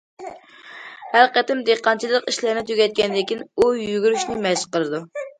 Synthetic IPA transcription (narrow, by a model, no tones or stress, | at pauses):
hæɾqət̪ɪmd̪eqːɑnt͡ʃʰilˠəqiʃlɪɾnɪt̪ʰøɡʲɛt̪̚kʲɛnɪd̪ɪkʲinujyɡʲyɾyʃnɪmɛʃqəlˠɨd̪u